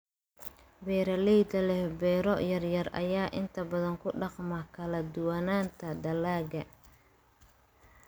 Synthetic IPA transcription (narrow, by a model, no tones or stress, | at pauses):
bɛːɾɐlɛjd̪ɐlɛhbɛːɾɔjɐrjɐrɐ̰jaːʔɪnt̪ʰɐbɐðɐŋkʰʊɖɑqmɐkʰɐlɐd̪ʊwanaːnt̪ʰɐd̪ɐlaːɡɐ